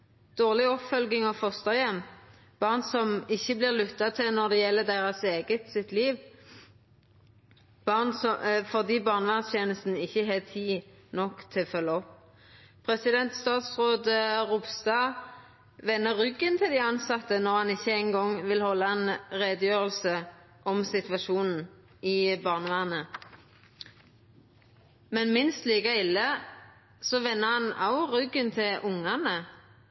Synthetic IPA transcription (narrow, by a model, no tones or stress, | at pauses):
d̪̥oːʁlɪɔpfœlɡɪŋɑfɔst̪ɑjɛmː | b̥ɑʁnsɔmɪçːəblɪʁlʉt̪ːɑt̪ʰɪlnɔʁd̪ɛjɛlːəd̪eːʁɑseːɡət̪sɪt̪liːʋ | b̥ɑʁnsɔfɔʁd̪iːbɑʁnəʋænst̪ʰjeːnəst̪n̩ɪçːəɦeːt̪ʰiː | nɔkt̪ʰɪfœlːɑɔpː | pʰʁɛsɪd̪ɛnt̪st̪ɑːt̪sʁoːd̪əʁʊbst̪ɑ | ʋɛnːəʁʏɡənt̪ʰɪld̪iːɑnsɑt̪ːənɔʁhɑnɪçːəɛɪŋɡɔŋʋɪlhɔlːɑɛnʁeːd̪əjøːʁəlsə | ʔɔmsɪt̪ʋɑʃuːnn̩ | ʔɪbɑːʁnəʋæːʁnə | mɛnmɪnst̪liːɡɑɪlːə | sɔʋɛnːəʁhɑnɑʊʁʏɡənt̪ʰɪlʔʊŋɑnə